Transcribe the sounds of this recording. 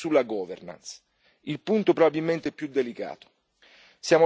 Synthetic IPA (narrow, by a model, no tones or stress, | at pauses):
sulːaɡɔːvḛrna̰ns | ilpunt̪opɾobabilment̪eɛpːjud̪elika̰ːt̪o̥ | sjaːmo